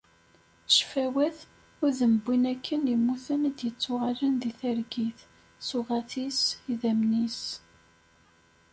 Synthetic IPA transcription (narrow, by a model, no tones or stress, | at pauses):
ʃfæwæθ | ʊɾðəməbːinækʰːənjəmːuθənæd̪jət͡sːʊʁalənðiθæɾɡiθ | sʊʁæθisiðæmnis